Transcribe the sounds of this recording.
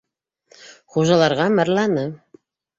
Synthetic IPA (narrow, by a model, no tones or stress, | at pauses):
χuʒɑlˠɑɾʁɑmæ̆ɾlˠɑnɤ